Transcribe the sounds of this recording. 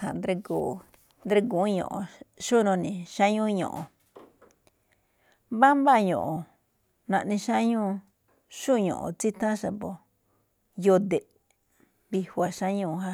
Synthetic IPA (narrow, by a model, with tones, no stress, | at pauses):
ha̰˨nd̪ɾe˧ku˨ | nd̪ɾe˧ku˨˦ɲõ̰˨ʔõ̰˨˧ʃu˦nõ˧nĩ˨ʃa˦ɲũ˦˧ɲõ̰˨ʔõ˨ | βa˦mba˦˨ɲõ̰˨ʔo˨ | nã˧ʔnĩ˧ʃã˦ɲũ˦ | ʃu˦˧ɲõ̰˨ʔõ̰˨t͡si˦t̪ã˦ʃa˨po˨ | jo˧d̪e˨ | βi˧hwa˨ʃã˦ɲũ˦˧ɦa˧